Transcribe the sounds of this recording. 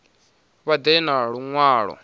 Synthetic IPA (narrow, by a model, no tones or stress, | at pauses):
βad̪ɛnaɺuŋwaːɺɔ̰